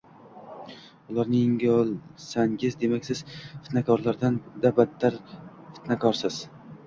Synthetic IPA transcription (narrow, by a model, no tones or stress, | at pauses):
ʊlˠaɾnɪɪŋɡʲɒlˠsaŋʲɪzd̪e̞makʲsɪz̥fɪ̥t̪nakʰɒɾlaɾd̪and̪abat̪ʰːaɾ | fɪ̥t̪nakʰɒɾsɪz̥